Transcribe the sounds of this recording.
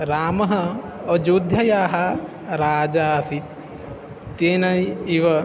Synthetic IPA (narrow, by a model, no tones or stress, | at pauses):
ɾaːmɐɦɐɔd͡ʒuːd̪ʱjɐjaːɦɐ | ɾaːd͡ʒaːsit̪ː | eːnɐjiʋɐ